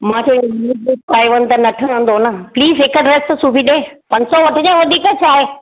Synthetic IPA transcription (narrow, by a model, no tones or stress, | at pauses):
mãːt͡ɕeuupaːiʋən̆t̪ɐnɐʈʰəə̃n̆d̪onəpliːzɦɪkəɖɾest̪suːbʱiɗẽːpɐ̃ɲsɔʋɐʈʰəd͡ʑẽːʋɐd̪ʱiːkət͡ɕʰaːɦe